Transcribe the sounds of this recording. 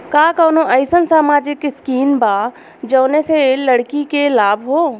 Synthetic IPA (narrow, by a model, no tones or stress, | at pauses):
kaːkəːnoʔəɪsənsaːmaːd͡ʒɪkskiːnba | d͡ʒəːneseləɽkikelaːbʱɦoː